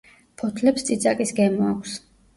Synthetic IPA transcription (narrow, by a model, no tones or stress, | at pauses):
pʰɔt̪ʰlɛpst̪sʼit̪sʼakʼisɡɛmɔakʷʰs